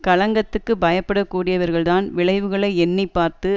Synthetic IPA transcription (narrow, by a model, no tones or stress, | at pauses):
kɐɭɐŋɡɐt̪ːɯkːɯbɐjɐpːɐɽɐkːuːɽɪjɐʋɐɾɣɐɭðaːnʋɪɭɐɪʋɯɣɐɭɐɪɛnːɪpːaːɾt̪ɯ